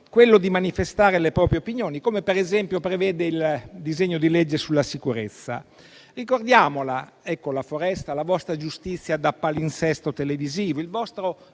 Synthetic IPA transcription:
kwelːod̪imanifest̪aːɾelepɾɔːpɾjeopinjoːnikoːmepeɾɛzɛmpjopɾevɛːd̪eild̪izeɲːod̪ilɛd͡ʒːesulːasikuɾet̪sːa̰ | rikord̪jaːmola | ɛkːolafoɾɛst̪alavɔst̪ɾad͡ʒust̪it̪sːjad̪apːalinsɛst̪ot̪eleviziːvoilvɔst̪ɾo

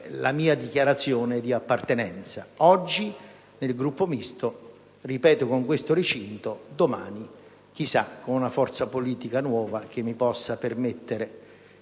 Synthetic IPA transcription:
lamiːad̪ikjaɾat̪sːjoːned̪iapːart̪enɛnt̪saɔd͡ʒːi | nelɡɾupːomist̪o | ripɛːt̪ʊkoŋkwest̪oɾit͡ʃint̪od̪omaːni | k̟isːakːonunafɔrt̪sapoliːt̪ikanwɔːvak̟emːipɔsːapermet̪ːeɾe

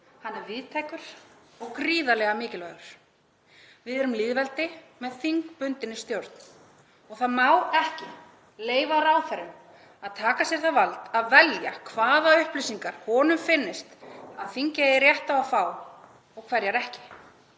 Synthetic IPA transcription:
hanːɛɾvɪːðt̪ʰajkʏɾ̥ | ɔɣkɾiːðalɛɣamɪːcɪlvaɣʏɾ̥ | vɪðɛɾʏmliːðvɛlt̪ɪmɛðθiŋkpʏnt̪ɪnːɪst̪jowɾt̪n̥ | ɔɣθaðmaːwɛhcɪ | leːjvaɾawθɛɾʏm | aðt̪ʰaːkasjɛɾ̥θavalt̪aðvɛljakʰvaːðaʏhplisiŋkaɾ̥hɔːnʏmfɪnːɪst̪aðfiɲcaɪɾrjɛht̪awafaːw | ɔɣkʰvɛɾjaɾɛhcɪ̥

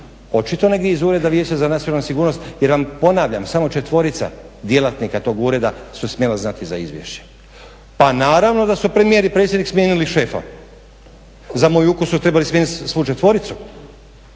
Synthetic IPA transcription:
o̞t͡ʃit̪o̞ne̞ɡd̪jeizuːɾe̞d̪aʋje̞ːt͡ɕazanat̪sjonalnusiɡuːɾno̞st̪jeɾʋampo̞naʋʎamsamo̞t͡ʃe̞t̪ʋo̞ɾit̪sa̰d̪je̞lat̪nikat̪o̞ːɡuːɾe̞d̪asusmʲje̞laznat̪izaizʋjḛʃt͡ɕe̥ | panaːɾaʋno̞d̪asupɾemije̞ɾipɾet̪sʲjed̪niksmjeniliʃe̞fa̰ | zamojukusut̪ɾe̞balismʲjenit̪sʋut͡ʃet̪ʋo̞ɾit̪su

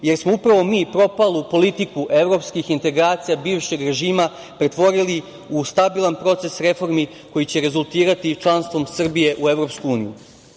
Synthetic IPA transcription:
je̞ɾsmoupɾaʋo̞miːpɾo̞palˠupo̞lit̪ikuʔe̞ʋɾo̞pskixint̪e̞ɡɾaːt̪sijabiːʋʃe̞ɡɾe̞ʒiːma | pɾe̞t̪ʋo̞ɾili | ust̪abilˠanpɾo̞t̪se̞sɾe̞fo̞ɾmi | ko̞jit͡ɕe̞ɾe̞zulˠt̪iːɾat̪it͡ʃlˠanst̪ʋo̞msr̩bije̞ʔue̞ʋvɾo̞ːpskuuːnijṵ

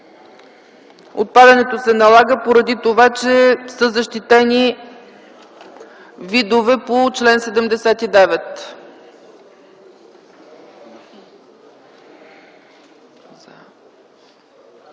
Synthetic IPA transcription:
ot̪̚pad̪ɐnɛt̪osɛnɐlˠaɡəpoɾɐd̪it̪ovat͡ʃɛsɤzəʃt̪it̪ɛni | vid̪ovɛpot͡ʃlɛnsɛd̪ɛmd̪ɛsɛt̪id̪ɛvɛt̪

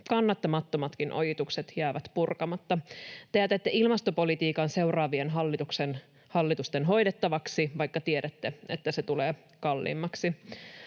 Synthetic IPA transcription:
kɑnːɑt̪ːɑmɑt̪ːomɑt̪kinʔo̰jit̪ukset̪jæːʋæt̪purkɑmɑt̪ːɑt̪eæt̪et̪ːeʔilmɑst̪o̞po̞lit̪iːkɑnse̞wrɑːʋienɦɑlːit̪uksen | hɑlːit̪ust̪enɦo̞jdet̪ːɑʋɑksiʋɑjkːɑt̪ieɾæt̪ːeet̪ːæset̪uleː | kɑlːḭːmːɑksi

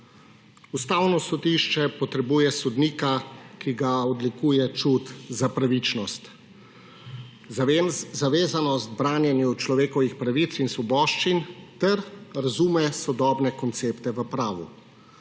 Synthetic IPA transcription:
ust̪aːwnɔsɔd̪iʃt͡ʃɛpɔt̪ɾɛbuːjɛsɔd̪niːkakiɡaɔd̪likuːjɛt͡ʃut̪zapɾaʋit͡ʃnɔst̪ | zaʋeːzanɔst̪̚bɾaːnjɛnjut͡ʃlɔʋeːkɔʋixpɾaʋit̪sinsʋɔbɔːʃt͡ʃint̪ɛɾɾazumɛsɔd̪ɔːbnɛkɔnt̪seːpt̪ɛʋəpɾaːʋu

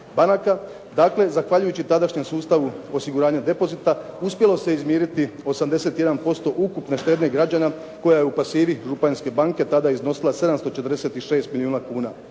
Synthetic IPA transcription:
banaka | d̪akle̞zaxʋaʎujut͡ɕit̪ad̪aʃɲe̞msuːst̪aʋuo̞siɡuɾaːɲad̪e̞po̞zit̪auspʲje̞lo̞se̞izmjeːɾit̪io̞samd̪e̞se̞t̪je̞d̪anpo̞st̪o̞ʔukupne̞ʃt̪e̞d̪ne̞ɡɾad͡ʑana | ko̞jaje̞upasiːʋiʒupanske̞baŋke̞t̪ad̪aizno̞silˠase̞d̪amst̪o̞t͡ʃe̞t̪rd̪e̞set̪iʃe̞ːst̪miliuːnakuːna

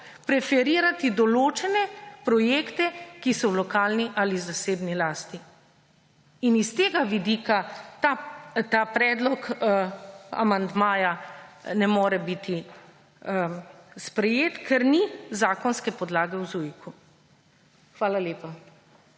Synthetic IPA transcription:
pɾɛfɛɾiːɾat̪id̪ɔloːt͡ʃɛnɛpɾɔjeːkt̪ɛkisɔwlɔkaːlniʔalizaseːbnilaːst̪i | nist̪eːɡaʋid̪ikat̪at̪apɾɛːd̪lɔk | a̰mand̪maːjanɛmoːɾɛbit̪i | spɾɛjeːt̪kʰɛɾnizaːkɔnskɛpɔd̪laːɡɛwzujiku | xʋaːlaleːpa

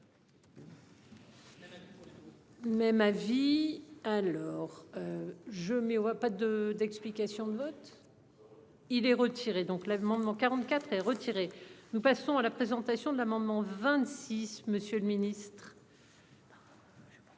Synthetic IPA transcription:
mɛmavialɔʁøʒəmɛapad̪əd̪ɛksplikasjɔ̃d̪əvɔt̪ | ilɛʁət̪ʰiʁed̪ɔ̃klamɑ̃d̪mɑ̃kaʁɑ̃t̪kʲat̪χɛʁət̪ʰiʁenupasɔ̃alapχezɑ̃t̪asjɔ̃d̪əlamɑ̃d̪mɑ̃vɛ̃t̪sisməsjøləminist̪χ

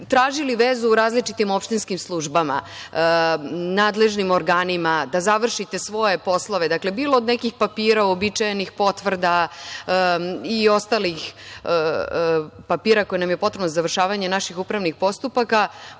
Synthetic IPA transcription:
t̪ɾaːʒiliʋezuːɾaːzlit͡ʃit̪imo̞pʃt̪inskimslˠuʒbama̰ | naːd̪le̞ʒnimoɾɡaːnimad̪azaʋr̩ʃit̪e̞sʋo̞je̞po̞slˠoʋe̞d̪akle̞biːlˠood̪nekixpapiːɾaobit͡ʃajenixpo̞t̪ʋr̩d̪a | io̞st̪alix | papiːɾako̞jinamjepot̪ɾebnozaʋr̩ʃaːʋaɲe̞naʃixupɾaʋnixpo̞st̪upaka

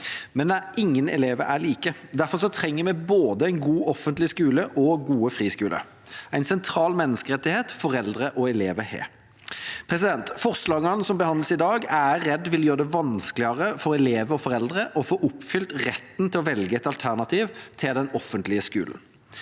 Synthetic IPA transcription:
mɛnd̪ɛæɪŋːənɛ̰leːʋəɾæ̰ɭiːkəd̪æʁfɔʁsɔt̪ʰɾɛŋːəmɛboːd̪əæɪnɡuːʔɔfənt̪lɪskʉːləʔɔɡuːəfʁiːskʉːlʔə̰ | æɪnsɛnt̪ʰɾɑːlmɛnːəskəʁɛt̪ːɪheːt̪fɔɾɛld̪ʁəʔɔɛleːʋəhḛː | pʰʁɛsɪd̪ɛnt̪fɔʁslɑːɡɑnəsɔmbəhɑnd̪ləsɪd̪ɑːɡæːɛd̪ːʋɪljøːʁəd̪ɛʋɑnsklɪɑʁəfɔɾɛleːʋəɔfɔʁɛld̪ʁəʔɔfoːʔʊpːfʏlt̪ʁɛt̪ːn̩t̪ʰɪlɔʋɛlɡəɛt̪ɑlt̪ʰæʁnɑt̪ʰiːʋt̪ʰɪld̪ɛnɔfːənt̪lɪəskʉ̰ːln̩

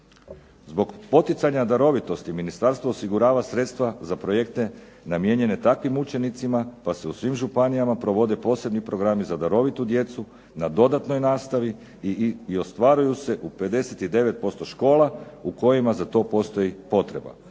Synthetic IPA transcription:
zbo̞ɡpo̞t̪it̪saɲad̪aɾo̞ʋit̪o̞st̪iminist̪aɾst̪ʋosiɡuɾaːʋasɾe̞t̪st̪ʋazapɾo̞je̞k̚t̪e̞ | namje̞ɲe̞ne̞t̪akʋimut͡ʃe̞nit̪simapaseusʋiːmʒupanijamapɾo̞ʋo̞d̪e̞po̞ːse̞bnipɾo̞ɡɾamizad̪aɾo̞ʋit̪ud̪je̞t̪su | nad̪o̞d̪at̪no̞jnaːst̪aʋi | io̞st̪ʋaɾujuse̞ʔupe̞d̪e̞se̞t̪id̪e̞ʋe̞t̪̚po̞st̪o̞ʃko̞ːlˠauko̞jimazat̪o̞po̞st̪o̞jipo̞t̪ɾe̞ba̰

